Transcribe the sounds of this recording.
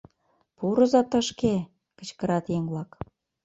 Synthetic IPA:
puɾɤ̆zɑt̪əʃke | kə̆t͡ɕkə̆ɾɑt̪jeŋβlɑk

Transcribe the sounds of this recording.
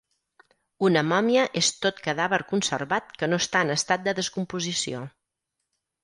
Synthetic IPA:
unəmɔmiəʔest̪ot̪kəðaβəɾkunsə̰rβat̪kənoəst̪aənəst̪at̪̚d̪əðəskumpuzisio

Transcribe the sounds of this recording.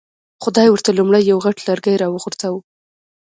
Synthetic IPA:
χʊd̪ɑjwəɾt̪alumɽajːawɣaʈlaɾɡajɾɑwəɣʊɾt͡sawu

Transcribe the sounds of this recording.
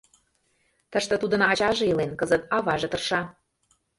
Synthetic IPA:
t̪ə̆ʃt̪ə̆t̪ud̪ɤ̆nɑt͡ɕɑʒɤ̆ilenkɤzət̪ɑβɑʒɤ̆t̪ɤ̆rʃɑ

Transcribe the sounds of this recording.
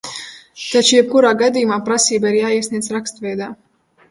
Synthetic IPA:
t̪at͡ʃujɛb̚kuɾaːɡad̪iːjumaːpɾasiːbaiɾjaːiɛsnʲiɛsɾakst̪vɛjd̪aː

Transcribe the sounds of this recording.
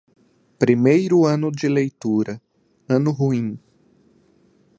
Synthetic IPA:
pɾimejɾʊɐ̃nʊd͡ʒɪlejt̪uɾɐ | ɐ̃nʊɦuĩ

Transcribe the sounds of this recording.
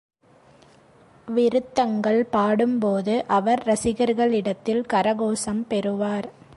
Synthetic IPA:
ʋɪɾɯt̪ːɐŋɡɐɭpaːɽɯmpoːðɯʔɐʋɐɾɾɐsɪɣɐɾɣɐɭɪɽɐt̪ːɪlkɐɾɐɣoːsɐmpɛɾɯʋaːɾ

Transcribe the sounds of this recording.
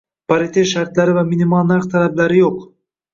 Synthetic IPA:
paɾit̪ʰeʃaɾt̪laɾɪvaminimɒlˠnaqt̪ʰalablaɾɪjoq

